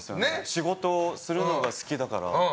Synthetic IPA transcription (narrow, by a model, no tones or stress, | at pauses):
sɨjoneɕiɡo̞t̪o̞ːsɨɾɯ̟no̞ɡasɨ̥kʲid̪akaɾa̰